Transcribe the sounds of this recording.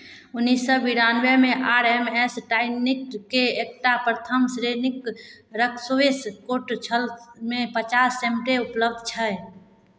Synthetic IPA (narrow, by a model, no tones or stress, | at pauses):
ʊnːisːɔbiɾanʋemẽʔaːɾɛmɛsʈaːɪnikːeek̚ʈapɾət̪ʰəmsɾenɪk | ɾəkʰsoeskoʈt͡ʃʰəlmẽpət͡ʃaːsːemʈeʊpləb̚d̪t͡ʃʰə